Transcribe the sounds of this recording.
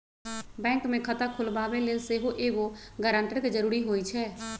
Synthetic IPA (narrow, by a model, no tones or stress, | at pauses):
bɛ̃ːŋkmẽkʰət̪akʰʊlbaːbeleseɦoʔeːɡoɡəɾə̃ːɳʈəɾked͡ʒəɾuːɾiɦoːit͡ʃʰɛː